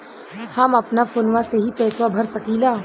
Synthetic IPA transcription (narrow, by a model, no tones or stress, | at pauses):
hɐmɐpnafoːnʋãseɦipɛːswabʱɐɾsɐkilaː